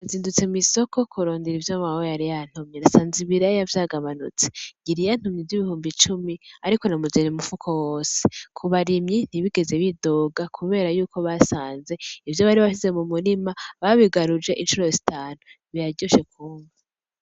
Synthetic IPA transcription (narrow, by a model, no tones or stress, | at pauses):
aziːndut͡semiso̞ko̞kʰuɾoːndiɾivjomawojaɾijan̥humɲinasaːnziβiɾajavjaːɡaβanṵt͡seɟiɾijan̥umɲiviβihuːmbit͡ʃumiaɾiko̞namuzenimufukʰo̞woːsekʰuβaɾimɲin̥iβiɡe̞ze̞βidoːɡakʰuβe̞ːɾajuːkʰo̞βasaːnze̞ivjo̞βaɾiβaʃize̞mumuɾimaβaβiɡaɾud͡ʒe̞ʔinʃuɾo̞zitaːnu | βijaɟoʃe̞kʰuːɱva